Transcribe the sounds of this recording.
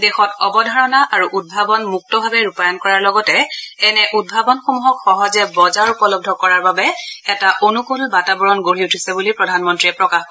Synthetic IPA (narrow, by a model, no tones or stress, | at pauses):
dexɔtɔbɔdʱaɹɔnaʔaɹuʔud̚bʱabɔnmuk̚tɔbʱabɛɹupajɔnkɔɹaɹlɔɡɔtɛɛnɛʔud̚bʱabɔnxomuɦɔkxɔɦɔzɛbɔzaɹupɔlɔb̚dʱɔkɔɹaɹbabɛɛtaʔonukulbatabɔɹɔnɡoɹiutʰisɛbulipɹɔdʱanmɔntɹiɛpɹɔkax